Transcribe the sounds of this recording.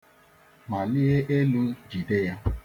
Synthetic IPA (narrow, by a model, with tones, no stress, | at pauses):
ma˨li˦e˦ʔe˦lu˦d͡ʒi˨de˦ja˦